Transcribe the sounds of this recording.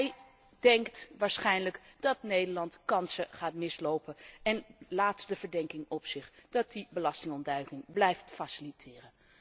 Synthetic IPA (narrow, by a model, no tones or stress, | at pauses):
ɛj | d̥ɛŋktʋaːɹsχɛjnləkd̥ɑtnejdəɹlɑntkɑnsəχaːtmɪslowpənɛnlaːtd̥əv̥əɹdɛŋkɪŋɔpsɪχd̥ɑt̚dibəlɑstɪŋɔndœɥkɪŋblɛjftfasɪlitʰɪːrən